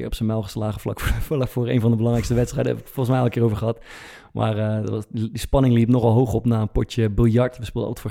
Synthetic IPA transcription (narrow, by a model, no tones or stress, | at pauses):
ɪ̰ːrɔpsənmɛlˠχəslaːχəflɑ̰klɑkfʊːrḛjnvɑndəbəlɑŋrɛkstəʋɛtstrɛjdəɛ̰bəkfɔlˠχənsmɛjɛlˠkɪːrowvəɹχəɦɑt | mʔa̰ːrətdispɑnɪŋlipnɔχɑlˠɦowχɔpnaːənpɔɹtəbɪlˠjɑɹtʋəspɪlˠdə̰lˠətfoːɹ